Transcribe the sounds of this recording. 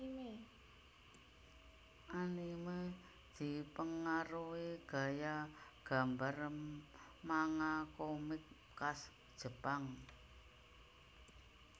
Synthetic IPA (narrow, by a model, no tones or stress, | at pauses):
e | ʔanime | d̪̥i̤pəŋaɾuwiɡ̥a̤jaɡ̥a̤mbaɾəm | maŋakomɪk̚ | kas | d̥ʒ̥ə̤paŋ